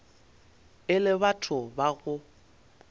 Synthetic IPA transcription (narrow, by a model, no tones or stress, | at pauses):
ɪlɪβatʰʊbaɣʊ